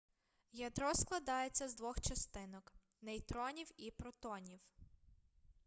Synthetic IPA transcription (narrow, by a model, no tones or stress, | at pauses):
jɐd̪ɾɔsklˠɐd̪ɑjet͡sʲːɐzd̪ʋɔxt͡ʃɐst̪ɪnɔk | nejt̪ɾɔnʲiwipɾɔt̪ɔnʲiw